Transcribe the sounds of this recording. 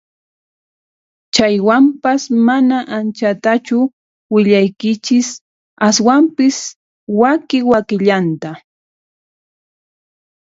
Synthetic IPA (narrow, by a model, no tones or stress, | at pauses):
t͡ʃajwampasmanaʔant͡ʃat̪at͡ʃʊ | wɪʎajkɪt͡ʃɪs | aswampɪs | wakɪwakɪʎant̪a